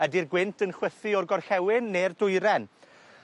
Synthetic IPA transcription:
ədirɡwɪntʰənχwəθiɔrɡɔrxɛwɪnːerdʊjɾɛn

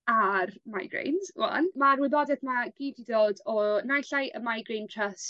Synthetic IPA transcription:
armajɡrḛjnswa̰nmarwɪðɔdɛðmaɡ̥iːdidoːdɔnajɬajʔəmajɡrejntʰrəs

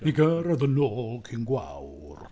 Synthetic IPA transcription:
iɡəɾəðənoːlˠkʰinɡwa̰w | r

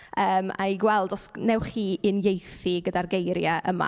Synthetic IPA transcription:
əːma̰iɡwɛlˠdɔsnɛwχiːɨnjejθiɡədarɡejɾjaʔəma̰

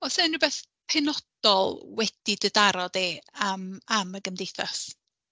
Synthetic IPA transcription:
ɔsɛnːubɛθ | pʰɛnɔd̥ɔlˠwɛd̥idədaɾɔdeamaməɡəmdejθas

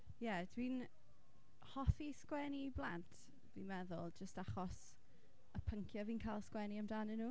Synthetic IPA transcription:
jɛd̥win | hɔθiskwɛniblˠantʰ | vinmɛðʊ̰lˠd͡ʒəstaχɔs | əpʰəŋkʰjɔviːnkʰajlˠskwɛniamdaːnɪnuː

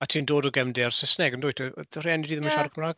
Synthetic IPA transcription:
atʰiːndoːdɔɡɛmdɪarsɪsnɛɡəndʊːjtʰəreɛnidiːðəmənʃarkʰəmraːɡ̥

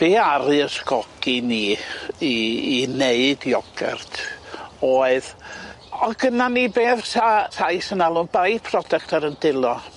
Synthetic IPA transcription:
b̥eːaɾɨəskɔɡ̥iniːiːneɨdjɔɡ̥ɛ̰rtʰoːɨð | ɔɡənanibeːðsar̥ajsənalˠʊnbajpʰrɔdɛk̚tʰaɾəndɪlˠɔ

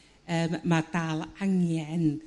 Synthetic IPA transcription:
əːmːadalˠaŋjɛn

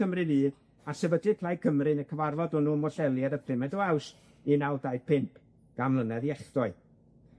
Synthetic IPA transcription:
əmrɨðiːð | asɛbədɨpʰl̥ˠajkʰəmrɨnəkʰəvarvɔdʊnumɔɬɛlˠjɛɾəpʰrɪmɛdɔaws | inawdaɨpʰɪmpʰ | ɡ̥amlˠənɛðiɛχdɔɨ

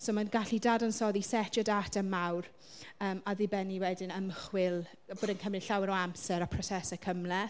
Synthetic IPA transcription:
soːmanɡaɬidaːdɔnsɔðisɛtʰjɔdatʰənmawr | əːmaðɪbɛniwɛdɪnəmχwɪlˠ | boːdənkʰəmɪɬawɛɾɔamsɛɾapʰrɔsɛsɛkʰəmlɛ

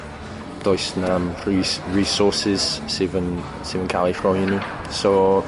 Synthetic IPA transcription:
d̥ɔjsnamriɹisɔˑsɪz̥seːvən | sevənkʰalˠifrɔəni | so

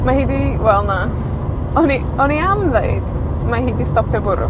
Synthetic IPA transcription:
mahiːdiwɛlˠna | ɔni | ɔniamðeɨd̥ | maɦiːdistɔpʰɛbʊɾʊ̰

